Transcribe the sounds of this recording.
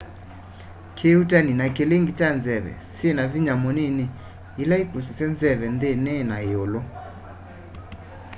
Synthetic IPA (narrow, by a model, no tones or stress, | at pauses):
kʰeutaninakeleŋɡit͡ʃanzɛβɛ̰senaviɲamɔnene | ilaikusisɛnzɛβɛndenenaeolɔ